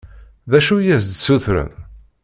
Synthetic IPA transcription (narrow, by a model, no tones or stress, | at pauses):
ðæʃujæzd̪suθɾə̰m